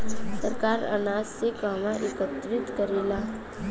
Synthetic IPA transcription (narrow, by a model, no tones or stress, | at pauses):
səɾkaːɾə̰naːd͡ʒsekaːmãʔekət̪ɾɪt̪kəɾeːlaː